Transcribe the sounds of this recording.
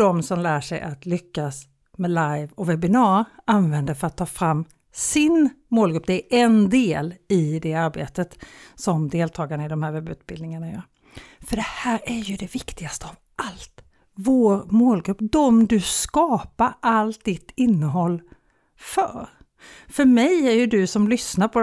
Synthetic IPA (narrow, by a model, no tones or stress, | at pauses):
d̪ɔmsɔmlæːʂɛjʔa̰t̪lʏkːas | mɛlajvɔvɛbɪnɑːɾanvɛnd̪əɾfœɾat̪ʰːɑːfɾamː | sɪnmoːlɡɾɵpːd̪ɛæɾʔɛnd̪eːlɪd̪ɛaɾbḛːt̪ət̪sɔmd̪eːlt̪ʰɑːɡaɳaɪd̪ɔmhæːɾvɛbʉ̟ːt̪̚bɪld̪nɪŋanajœ̰ːɾ | fœɖɛhæːɾæɾjɵd̪ɛvɪkt̪ɪɡast̪əavʔalt̪ | voːɾmoːlɡɾɵpːd̪ɔmd̪ɵskɑːpaɾʔalt̪̚d̪ɪt̪ːɪnːəɦɔlː | fœ̰ɾ | fœɾmɛjæɾjɵd̪ɵsɔmlʏsnaɾpʰɔ